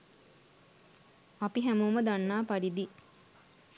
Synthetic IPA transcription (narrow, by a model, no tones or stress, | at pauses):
apiɦæmuːməd̪anːaːpaɖid̪i